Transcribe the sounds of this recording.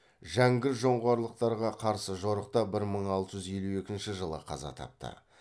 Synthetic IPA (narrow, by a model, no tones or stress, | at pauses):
ʒæŋɡʲɪɾʒo̞ɴʁoɑɾlˠəq̚t̪ɑɾʁɑqʰɑɾsəʒo̞ɾəq̚t̪ɑbɪɾməɴɑlˠt̪əʒʏzelue̞kʲɪnʃɪʒəlˠə̰qʰɑ̰zɑ̰t̪ʰɑ̰p̚t̪ʰə̰